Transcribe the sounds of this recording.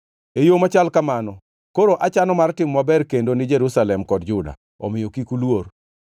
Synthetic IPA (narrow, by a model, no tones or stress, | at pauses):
ejomat͡ʃalkamanɔ | koɾoʔat͡ʃanɔmartɪmːabɛrkendonɪd͡ʒeɾusalɛmkɔd̚d͡ʒʊda̰ | ɔ̰mɪjokikulwor